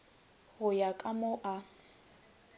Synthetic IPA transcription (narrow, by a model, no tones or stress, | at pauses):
ɣʊjakʼamʊʔa